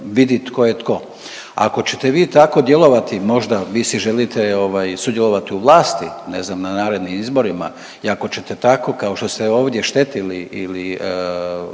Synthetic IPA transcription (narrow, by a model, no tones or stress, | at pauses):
ʋid̪it̪ko̞jet̪ko̞ | a̰ko̞t͡ɕe̞t̪e̞ʋiːt̪ako̞d̪je̞lˠo̞ʋat̪imo̞ʒd̪aʋiːsiʒelit̪eo̞ʋaːjsud̪jelo̞ʋat̪iuʋlˠaːst̪ineznamnanaːɾe̞d̪nimizbo̞ɾima̰ | iako̞t͡ɕe̞t̪et̪ako̞kao̞ʃt̪o̞st̪eo̞ːʋd̪je̞ʃt̪e̞t̪iliʔili